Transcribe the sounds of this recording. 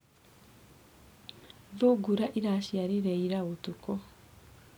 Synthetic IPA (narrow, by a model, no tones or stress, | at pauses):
ðoɡuɾaʔiɾaɕjaɾiɾɛiɾaɣotukɔ